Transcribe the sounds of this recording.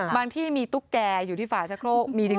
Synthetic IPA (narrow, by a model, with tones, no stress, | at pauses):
baː˧ŋt̪ʰiː˥˩miː˧t̪u˦˥˩kkːɛː˧juː˨˩iː˥˩faː˨˩t͡ɕʰa˦˥kʰɾoː˥˩k̚miː˧t̪ʰɯ˨˩˦